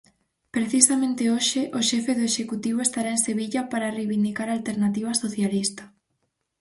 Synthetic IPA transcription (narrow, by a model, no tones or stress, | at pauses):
pɾeθisamẽnt̪ɪoʃɪʔoʃɛfeðoeʃekut̪iβ̞oest̪aɾaenseβiʎɐpaɾarejβind̪ikaɾalt̪eɾnat̪iβ̞ɐsoθjalist̪ḁ